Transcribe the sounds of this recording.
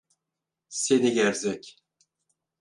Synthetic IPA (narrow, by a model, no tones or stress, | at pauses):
seniɡæɾzɛcʲ